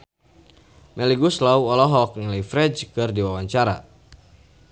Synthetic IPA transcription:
mɛliɡuslawɔlɔɦɔkŋlifɾɛd͡ʒkɨrdiwawaɲt͡ʃaɾa̰

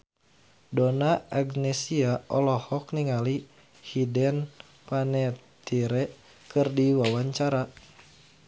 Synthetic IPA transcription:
donaaɡnɛsiaʔɔlɔhɔk̚niŋali | hidɛn | panɛt̪iɾɛ | kɨrdiwawaɲt͡ʃaɾa

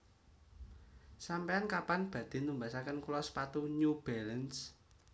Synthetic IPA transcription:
sampeankapanb̥ä̤d̪̥e̤numbasakənkulɔspat̪uɲub̥ɛləns

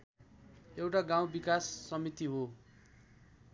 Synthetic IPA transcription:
ewʈaɡaw̃bikasːʌmit̪iɦo

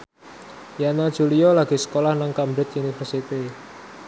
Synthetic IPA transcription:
janadʒ̥uliɔlaɡ̥i̤sə̥kolahnaŋkambɾɪt̪̚unifərsit̪i

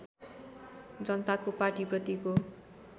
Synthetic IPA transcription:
d͡zʌnʌt̪akopaʈiprʌt̪iko

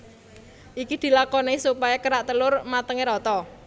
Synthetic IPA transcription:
ʔikid̪̥i̤lakɔnesupajakəɾaʔt̪əlʊrmat̪əŋeɾɔt̪ɔ

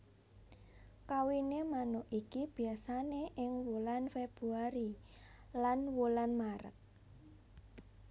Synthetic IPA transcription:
kawinemanʊʔikib̥i̤asaneʔɪŋwulanfeb̥ɾuaɾi | lanwulanmaɾə̰k̚

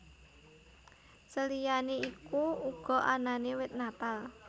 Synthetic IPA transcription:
səlijaneikuuɡ̥ɔ̤ʔananewɪt̪̚napal

